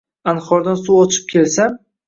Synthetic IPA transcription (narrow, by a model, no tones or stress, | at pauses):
anχɒɾd̪ansuɒt͡ʃʰɪ̥p̚kʲʰe̞lsam